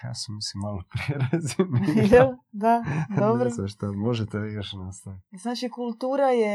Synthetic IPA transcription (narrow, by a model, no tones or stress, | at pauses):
ja̰ːsemisimːalopɾeɾazmejɛld̪ad̪obɾosaʃt̪amo̞ʒet̪ejoʃnast̪aʋit̪znaːt͡ʃikulˠt̪uːɾaje